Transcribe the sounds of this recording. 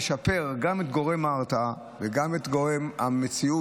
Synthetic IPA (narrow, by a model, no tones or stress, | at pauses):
ʃape̞ʁɡamet̪ɡo̞ʁe̞maʁt̪a | veɡamet̪ɡoʁema̰met͡siu